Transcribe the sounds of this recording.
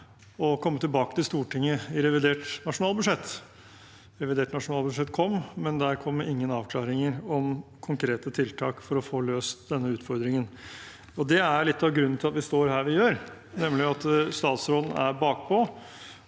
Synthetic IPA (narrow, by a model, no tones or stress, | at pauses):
ɔkʰɔmːət̪ʰɪlbɑːkət̪ɪlst̪uːʈɪŋːəɪɾɛʋɪd̪eːʈnɑʂʊnɑːlbʉʂɛt̪ː | ɾɛʋɪd̪eːʈnɑʂʊnɑːlbʉʂɛt̪ːkʰɔmːmɛnd̪æɾkʰɔmːɪŋːənɑːʋkʰlɑːɾɪŋəɾɔmkʰʊŋkʰɾeːt̪ət̪ʰɪlt̪ʰɑːkfɔɾɔfoːløːsd̪ɛnːəʉːt̪fɔɾd̪ɾɪŋən | ɔd̪ɛæɾɭɪt̪ːɑʋɡɾʉnːnɪlɑt̪ʋɪst̪oːɾɦæːɾʋɪjøːɾ | nɛmlɪɑt̪st̪ɑːt̪sɾod̪n̩æ̰ɾbɑːk̚pʰɔ